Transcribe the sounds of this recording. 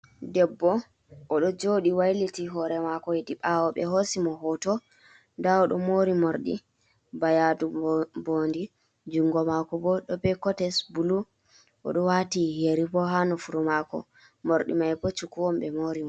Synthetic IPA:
dɛbːɔː | ɗɔd͡ʒoɗiwajlitiɦɔɾɛmakɔediɓawɔɓɛ̰ɦosimɔɦɔtɔ | ndaɔɗɔmoɾimoɾɗḭ | bajadubondi | d͡ʒuŋɡɔmakɔbɔɗɔbɛkɔtɛsbulu | ɔ̰ɗɔwatiheɾipɔɦanɔfuɾumakɔ̰ | moɾɗḭmajpɔt͡ʃukːuwɔmɓɛmoɾimɔ

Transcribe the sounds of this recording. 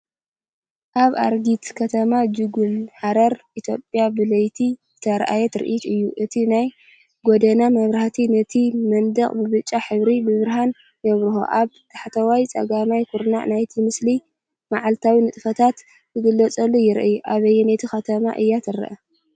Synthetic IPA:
ʔaβa̰ɾɡit̪kʰɐt̪ʰɐmad͡ʒɨɡulħaɾɐɾʔit̪ʰjo̞pʼjabɨlɐjt̪ʰizɨt̪ʰɐɾʔa̰jɛt̪ʰɨɾɨ̰ʔit̪ɨjːuʔɨt̪ʰinaj | ɡɔd̪ɐnamɐβɾaht̪ʰinɐt̪ʰimɐnd̪ɐχʼbɨβɨt͡ʃʼːaħɨβɾibɨβɨɾɦan | jɐβɾuxo̰ʔaβt̪ʰḁħt̪ʰɐwajt͡sʼɐ̰ɡamajkʰuɾna̰ʔnajt̪ʰimɨsli | maʕalt̪ʰawinɨt̪ʼɨfɐt̪ʰat̪ | kɨɡɨlːɐt͡sʼɐlːojɪɾʔɨjuʔaβɐjːɛnɐt̪ʰixɐt̪ʰɐma̰ʔɨjːat̪ʰɨɾɐ̰ʔɐ

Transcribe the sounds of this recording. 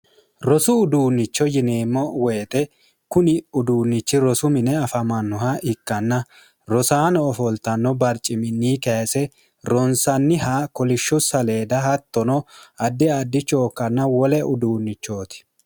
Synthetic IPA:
ɾɔsʊːd̪uːnːɪt͡ʃːɔjɪneːmːɔweːt̪ʼɛ | kʊnɪʊd̪uːnːɪt͡ʃːɪɾɔsʊmɪnɛɐfɐmɐnːʊɦɐʔɪkːɐnːɐ | ɾɔsaːnɔːfɔlt̪ɐnːɔbɐɾt͡ʃʼːɪmɪnːiːkɐsɛ | ɾɔnsɐnːɪhakɔlɪʃːʊsɐle̞ːd̪ɐɦɐt̪ːɔnɔɐd̪ːɪɐd̪ːɪt͡ʃo̞ːkːɐnːɐwɔlɛʔʊd̪uːnːɪt͡ʃːo̞ːt̪ɪ̥

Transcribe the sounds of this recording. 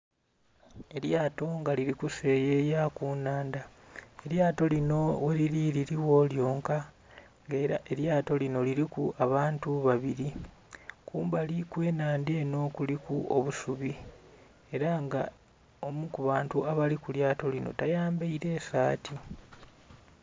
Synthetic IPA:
e̞ɾjaːto̞ŋɡaliɾikuse̞jejakuːnaːndae̞ɾjaːto̞lino̞weliɾiɾiɾiwo̞ljo̞ːŋka | ŋɡeːɾa̰e̞ɾjaːto̞lino̞liɾikuʔaβaːntuβaβiɾi | kuːmbalikwe̞ːnaːndieno̞ːkulikuo̰βusuβi | e̞ɾaŋɡa | o̞mukuβaːntuaβalikuljaːto̞lino̞̰tajaːmbaiɾe̞ːsaːtʰi

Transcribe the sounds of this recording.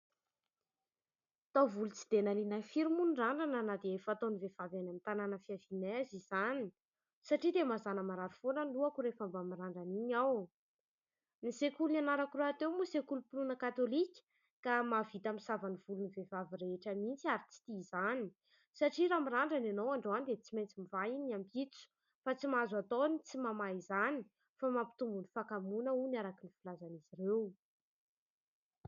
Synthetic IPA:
t̪awvulut͡si̥d̪enalinafiɾimunraɳɖ͡ʐananad̪eefat̪onivevavanamint̪ananəfiavinaaziz̥ani | saʈ͡ʂid̪emazanəmaɾaɾifonənluakuɾefambamiraɳɖ͡ʐaniɲaw | nisekulunanaɾakuraat̪ewmusekulupulunəkat̪olikʲə̥ | kamavit̪amisavaniv̥ulunivevaviɾeeʈ͡ʂəmint͡siaɾit͡si̥t̪izani̥ | saʈ͡ʂiɾamiɾaɳɖ͡ʐanenowaɳɖ͡ʐanid̪et͡simejnt͡simivainampit͡su̥ | fat͡simazat̪onit͡simamazani̥ | famampi̥t̪umbunifakamunəunaɾakinifilazaniziɾew

